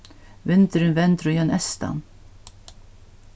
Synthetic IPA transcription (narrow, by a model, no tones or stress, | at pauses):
vɪnt̪əɾɪnvɛnt̪ɾʊjœnʔɛst̪a̰n